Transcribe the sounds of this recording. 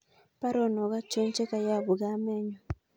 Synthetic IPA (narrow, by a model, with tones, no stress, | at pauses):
pa˦ɾɔ˦˨nɔ˨ɣa˦t͡ʃo˦ɲt͡ʃe˦ka˨ja˦˨βu˨ɣa˦mɛ˦ɲɔ˨